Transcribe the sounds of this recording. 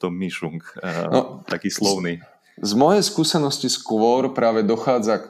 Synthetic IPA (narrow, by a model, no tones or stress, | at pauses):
t̪ɔmiʃuŋknɔ̰t̪akiːslɔʊni | zmɔjɛjskuːsɛnɔsciskʋɔɾpɾaːʋɛd̪ɔxaːd͡za